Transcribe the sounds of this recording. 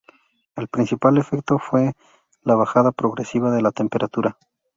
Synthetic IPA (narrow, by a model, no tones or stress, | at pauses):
e̞lpɾinsipale̞fek̚t̪o̞fwe̞ | laβaxaðapɾo̞ɣɾesiβaðe̞lat̪e̞mpe̞ɾʔat̪uɾa